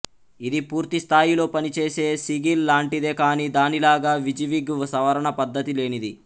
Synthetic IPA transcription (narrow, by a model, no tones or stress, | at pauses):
id̪ipuːɾt̪ist̪ʰaːjilo̞ːpɐnit͡ʃe̞ːse̞ːsiɡilːaːɳʈid̪e̞ːkaːnid̪aːnilaːɡaːʋid͡ʒɐʋiɡsɐʋɐɾɐɳɐpɐd̪ːɐt̪ile̞ːnid̪i